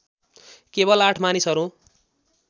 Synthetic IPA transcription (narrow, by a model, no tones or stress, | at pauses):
kebʌlaʈʰmanisɦʌɾu